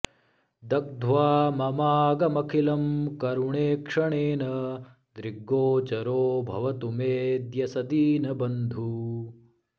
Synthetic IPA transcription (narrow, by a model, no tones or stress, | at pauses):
d̪ɐk̚d̪ʱʋaːmɐmaːɡɐmɐkʰilɐmkɐɾuɳeːkʂɐɳeːnɐ | d̪ɾiɡːoːt͡ʃɐɾoːbʱɐ̰ʋɐt̪umeːd̪jɐsɐd̪iːnɐbɐnd̪ʱu